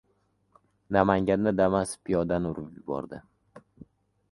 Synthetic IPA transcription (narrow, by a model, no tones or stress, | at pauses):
namaŋɡʲand̪ad̪amaspʰijɒd̪anʊɾʊpjʊbɒ̰ɾd̪ɪ